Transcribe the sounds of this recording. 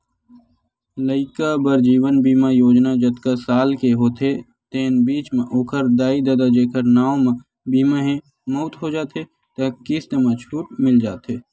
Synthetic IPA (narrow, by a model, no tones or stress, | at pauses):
ləɪkabəɾd͡ʒiːʋənbiːmajoːd͡ʒnad͡ʒət̪kasaːlkeɦoːt̪ʰe | t̪eːnbiːt͡ʃmẽʔoːkʰəɾd̪aːid̪ɐd̪ad͡ʒeːkʰəɾnaːõmẽ | biːmaɦẽ | moːt̪ɦod͡ʒaːt̪e | t̪ɐkist̪emãt͡ʃʰuːʈ̚mɪld͡ʒaːt̪eː